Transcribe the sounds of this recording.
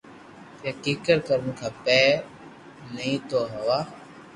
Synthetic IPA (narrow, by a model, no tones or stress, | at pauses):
kẽːkiːkəɾkəɾənkʰaːpɛː | nəĩːt̪oːɦəʋaː